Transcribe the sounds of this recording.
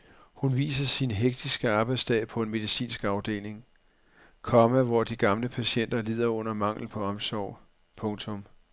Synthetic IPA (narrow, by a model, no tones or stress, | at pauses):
hunʋḭːs̬ɐsinɦeɡ̥̚d̥isɡ̥əɑ̈ːb̥ɑ̈ɪ̥sd̥ɛ̰ːpʰɒ̽e̝nme̝ð̞ˠisḭːnsɡ̥ɑ̈ʊd̥e̝̰ːle̝ŋ | kʰɒ̽mæʋɒd̥iɡ̥ɑ̈mləpʰæɕen̰d̥ɐlið̞̰ˠɐɔ̽n̰ɐmɑ̈ŋ̰l̩pʰɒ̽ɒ̽msɒʊ̰ | pʰɔ̽ŋt͡sʰɔ̽m